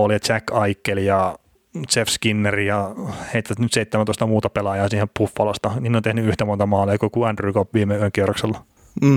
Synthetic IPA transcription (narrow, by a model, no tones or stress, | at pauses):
oliɑt͡ʃækːɑikːeljɑ | sefskinːerijɑheit̪ːæt̪nyt̪seit̪ːemænoˑist̪ɑmuːt̪ɑpelɑjɑːsiːhempufːɑlost̪ɑninːeont̪ehnyyht̪æmont̪ɑmɑːliekokuændrykopːʋiːmeyøŋkierokselːɑ